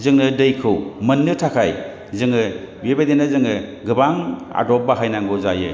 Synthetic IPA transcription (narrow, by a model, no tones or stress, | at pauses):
zɯŋnɯdɯjkʰɯwmɯnːɯtʰakʰaj | zɯŋɯ | webadenazɯŋɯɡɯbaŋa̰dɔp̚baɦajnaŋɡɯzajɯ̰